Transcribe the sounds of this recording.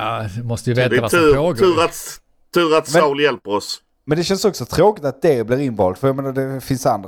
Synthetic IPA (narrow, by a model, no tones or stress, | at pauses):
aɪmɔst̪əjɵveːtːavaʉɾoːɡʉːɾat̪ | t̪ʰːʉ̟ːɾat̪mɛawljɛlpəɾɔs | mɛnd̪ɛɕɛnsɔksɔt̪ʰɾoːkɪt̪at̪̚d̪ɛblɪɾɪnvɑ̰ːlt̪fœɾjameːnaɖɛfɪnsand̪ɾ